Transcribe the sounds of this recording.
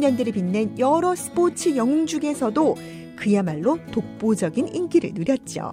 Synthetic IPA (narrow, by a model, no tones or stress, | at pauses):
ɲʌndɯɾiɭpinːenjʌɾʌsʰɯ̥pot͡ɕʰɯjʌŋd͡ʑuɡe̞sʰʌdo | kɯjamaɭːotok̚p͈od͡ʑʌɡininɡiɾɯ̰ɭnuɾjʌt̚t͡ɕ͈jo̰